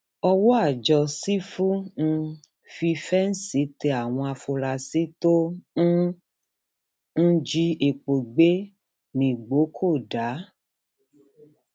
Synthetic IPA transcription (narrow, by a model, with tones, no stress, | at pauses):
ɔ˧wo˦a˦˨d͡ʒɔ˧si˦fu˦ñ̩˧ | fi˧fɛ˦n̩˦si˨˦te˧a˨w̃ɔ̃˧a˧fo˧la˧˨si˨˦to˦ | n̩˦d͡ʒi˦e˨k͡po˨ɡ͡be˦ | nĩ˨ɡ͡bo˨˦kʰo˦˨da˨˦